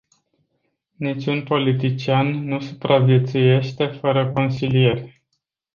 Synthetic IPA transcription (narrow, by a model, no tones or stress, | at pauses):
nit͡ʃʲunpo̞lit̪it͡ʃianːusupɾʔavje̞t̪suje̞ʃt̪e̞fəɾəko̞nsilije̞rʲ